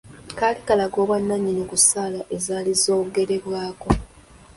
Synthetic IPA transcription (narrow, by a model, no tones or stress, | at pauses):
kaːlikalaɡo̞ːβwanːaɲːinikusaːlaʔezaːlizo̞ːkuɡe̞ɾeβwaːko̞